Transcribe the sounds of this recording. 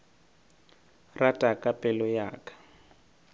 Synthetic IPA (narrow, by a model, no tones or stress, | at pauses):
ratʼakʼapʼɛlɔjaːkʼḁ